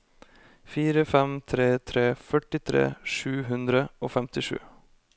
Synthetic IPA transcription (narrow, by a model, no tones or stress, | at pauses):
fiːɾəfɛmt̪ʰɾeːt̪ʰɾeːfœʈɪt̪ʰɾḛːʂʉːɦʉnd̪ɾəoːfɛmt̪ɪʂʉ̰ː